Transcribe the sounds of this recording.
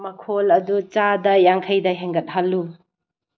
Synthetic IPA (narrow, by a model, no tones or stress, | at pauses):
mɐkʰolɐdut͡ʃadɐjaŋkʰɐjdɐɦeŋɡɐt̚ɦɐlːu